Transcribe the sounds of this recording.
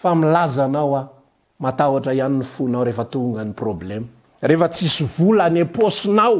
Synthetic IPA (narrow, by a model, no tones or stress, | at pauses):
familazanawa | mat̪awaʈ͡ʂaianinifunawɾefət̪uŋɡəniproblemə | refət͡sisivulaneposinaw